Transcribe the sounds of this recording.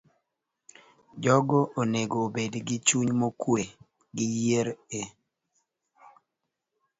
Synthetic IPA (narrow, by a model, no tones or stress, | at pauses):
d͡ʒɔɡoʔoneɡoːbedɡɪt͡ʃuɲmokwe | ɡɪjeɾe